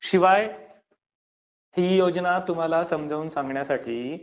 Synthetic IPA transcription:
ɕiʋaj | hiːjod͡znat̪um̤alasəmd͡zʱəuːnsãŋɡɳjasaʈʰiː

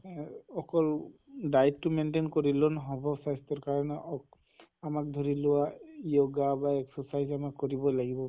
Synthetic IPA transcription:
ɔkɔldajttʊmɛntenkoɹilɔnɦɔbʱɔpʰastɔɹkaɹɔnɛʔɔk | amak̚dʱɔɹilʊwajoɡabaɛksɔsajzamakːoɹibɔlaɡibɔ

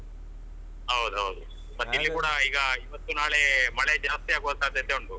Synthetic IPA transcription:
ɦɐwd̪uɦɐwd̪u | mɐt̪ːilːikuːɽɐiːɡɐiʋɐt̪ːunaːɭemɐɭed͡ʒaːst̪iaːɡuʋɐnsaːd̪ɐd̪ːeoɳɖu

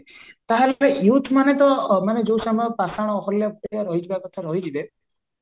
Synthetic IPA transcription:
t̪aɦellejut̪ʰmanet̪ɔmaned͡ʒewsamɔɔpasaɽ̃ɔːɦɔljaɔɾɔɦid͡ʒʰibakɔt̪ʰaɾɔɦid͡ʒibe

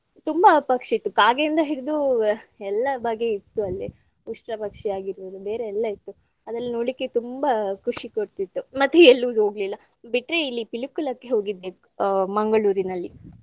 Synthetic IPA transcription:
t̪umbɐpɐkʂit̪ːukaːɡeind̪ɐɦiɽid̪uɛlːɐbɐɡeit̪ːuɐlːi | uʂʈɾɐpɐkʂɛaːɡiɾʋoːd̪ube̞ːɾe̞ɛlːɐit̪ːu | ɐd̪ɐlːinoːɽikːe̞t̪umbɐkʰuʂikoɽt̪it̪ːumɐt̪ːuɛlːud̪ɦo̞ːɡlilːɐ | biʈːɾe̞ilːipilukːulɐkːeɦo̞ːɡid̪ːe | mɐŋɡɐɭuːɾinɐlːi

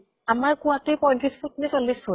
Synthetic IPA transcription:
amaɹkʊatijpɔjntʰispʰutnisɔlːispʰu

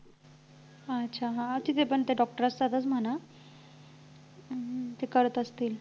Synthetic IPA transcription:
ətːɕʰaɦãət̪it̪epəɳt̪eɖɔk̚ʈəɾast͡sat̪ət͡sm̤əna | t̪ekəɾət̪əst̪iːl

